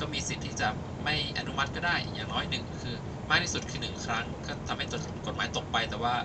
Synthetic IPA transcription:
kʰaː˦˥˩miː˧si˨˩t̪ʰːiː˥˩t͡ɕa˨˩ | ma˥˩jʔa̰˧nu˦˥ma˦˥t̪̚kɔː˥˩daː˥˩jjaː˨˩ŋnɔː˦˥jnɯ˨˩ŋkʰɯː˧ | maː˥˩k̚t̪ʰiː˥˩su˨˩t̪̚kʰɯː˧nɯ˨˩ŋkʰɾa˦˥ŋkʰaː˥˩t̪ʰa˧mha˥˩jt̪ko˨˩t̪̚maː˨˦jt̪o˨˩k̚pa˧jt̪ɛː˨˩waː˥˩

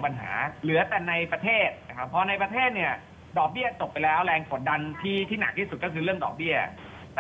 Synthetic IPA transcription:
pa˧nɦa̰ː˩˦lɯ˩˦ɐ˦t̪ɛ˨˩na˧jpɾa˧t̪ʰeː˥˩t̪̚na˦˥kʰa˦˥pʰːɔː˧na˧jpɾa˧t̪ʰeː˥˩t̪̚ni˥˩ɐ | dɔː˨˩k̚bi˥˩ɐt͡ɕo˨˩p̚ːa˧jlɛː˦˥wɾɛː˧ŋfo˨˩˦nda˧nt̪ʰiː˥˩t̪ʰiː˥˩na˨˩k̚t̪ʰiː˥˩su˨˩t̪̚kɔː˥˩kʰɯː˧ɾɯ˥˩əŋdɔ̰ː˨˩k̚bi˥˩ɐ

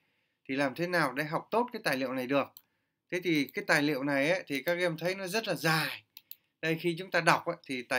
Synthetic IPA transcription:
t̪ʰi˨˩laː˨˩mt̪ʰe˨˦naː˨˩wɗa̰˧˥ɦa˨˩wk͡p̚t̪o˦˥t̚kaː˨˦jt̪aː˨˩jlḭ˧˨ə˨wna˨˩jɗɨ˨˩ək̚ | t̪ʰe˨˦t̪ʰi˨˩kaː˨˦jt̪aː˨˩jlḭ˧˨əwna˨˩jʔa˨˦t̪ʰi˨˩kaː˦˥k̚ʔɛ˧mt̪ʰə˨˦jnɔ˨˦zə˦˥t̚laː˨˩zaː˨˩j | ɗə˧jxi˧t͡ɕʊ˨˦ŋ͡mt̪aː˧ɗa˨˩wk͡p̚ʔaː˨˦t̪ʰi˨˩t̪aː˨˩

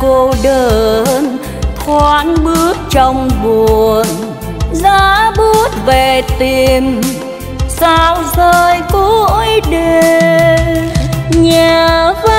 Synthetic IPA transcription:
ko˧ɗəː˧˩n | xwaː˧˦nɓɨ˦˥ək̚t͡ɕɔ˧wŋ͡mɓu˨˩ən | zaː˧˦˧ɓu˦˥ət̚ve˨˩t̪i˧˩m | saː˧wzəː˧jko˧˦˧jɗe˧˩ | ɲɛ˧˨˧v

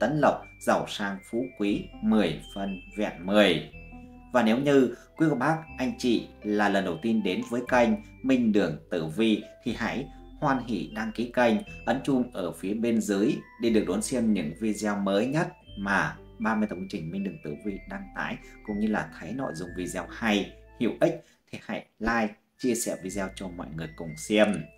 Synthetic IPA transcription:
t̪ə̰˧˨˦nlə˨˩wk͡p̚ | z̥a˧˩wsaː˧ŋfṵ˧˥kwi˨˦mɨ˨˩əjfə˧˩nvɛ̰˧˨nmɨ˨˩əj | vaː˨˩ne˨˦wɲɨ˧kwi˨˦kə˧˩ɓaː˦˥k̚ʔa˧jŋ̟t͡ɕḭ˧˨laː˨˩lə˨˩nɗə˨˩wt̪i˧nɗe˨˦nvəː˨˦jka˧jŋ̟ | mï˧ŋ̟ɗɨ˨˩əŋt̪ɨ˧˩vi˧t̪ʰi˨˩ha̰˧˥j | hwaː˧nɦḭ˧˨ɗaː˧ŋki˨˦ka˧jŋ̟ʔə˨˦nt͡ɕʊ˧ŋ͡mʔəː˧˩fi˨˦əɓe˧nzɨ˨˦jɗe˧˩ɨ˨˩ək̚ɗo˨˦nsɛ˧mɲɨ̰˧˥ŋvi˧zɛː˧wməː˨˦jɲə˦˥t̚maː˨˩ | ɓaː˧mɨ˧əjt̪ŋ˧t͡ɕï˨˩ŋ̟mï˧ŋ̟ɗɨ˨˩əŋt̪ɨ˧˩vi˧ɗaː˧ŋt̪a̰ː˧˥jkʊ̰˧˨ŋ͡mɲɨ˧laː˨˩t̪ʰə˨˦jnɔ̰˧˨jzʊ̰˨˩ŋ͡mvi˧zɛː˧wha˧jhḭ˧˨əwʔi˦˥k̟̚ | t̪ʰi˨˩ha̰˧˥jlaː˧j | t͡ɕi˧əsɛ̰˧˩vi˧zɛː˧wt͡ɕɔ˧mɔ̰˧˨jŋɨ˨˩əjkʊ˨˩ŋ͡msɛ˧əm

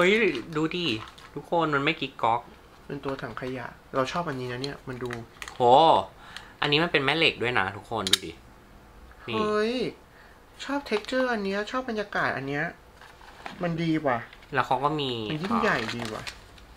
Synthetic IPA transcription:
hɤ˦˥jduː˧diː˧t̪ʰu˦˥kʰːo˧nma˧nma˥˩jki˦˥kkːɔ˦˥k̚ | pe˧nt̪u˧ɐt̪ʰa˩˦ŋkʰa˧ja̰˨˩ʔ | ɾa˧wt͡ɕʰɔː˥˩p̚ʔa˧nːiː˦˥na˦˥ni˥˩ɐma˧nduː˧hoː˨˩ | ʔa˧nːiː˦˥ma˧npe˧nmɛ˦˥le˨˩k̚du˥˩əjna˦˥t̪ʰu˦˥kʰːo˧nduː˧dḭː˧˩ | hmiːɤ˧˥j | t͡ɕʰɔː˥˩p̚t̪ʰe˦˥k̚t͡ɕɤː˥˩ʔa˧nːi˦˥ɐ˧t͡ɕʰɔː˥˩p̚ba˧njaː˧kaː˨˩t̪̚ʔa˧nːi˦˥ɐ | ma˧ndiː˧waː˨˩lɛː˦˥wkʰa˧˥wkɔː˥˩miː˧a˧njiː˥˩mja˨˩jdiː˧wa̰˨˩

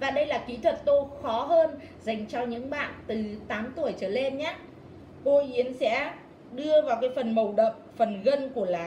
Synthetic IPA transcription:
vaː˨˩ɗə˧jlaː˨˩kḭ˧˥t̪ʰwə˨˩t̚t̪o˧xɔ˨˦ɦəː˧n | za˨˩jŋ̟t͡ɕɔ˧ɲɨ̰˧˥ŋɓa̰ː˧˨nt̪ɨ˨˩t̪aː˨˦mt̪u˨˧˩əjt͡ɕəː˧˩le˧nɲaː˨˦ | ko˧ʔi˨˦ənsɛ̰˧˥ | ɗɨ˧əvaː˨˩wkaː˨˦jfə˨˩nmə˨˩wɗə˨˩p̚fə˨˩nɣə˧nku˧˩əlaː˨˩

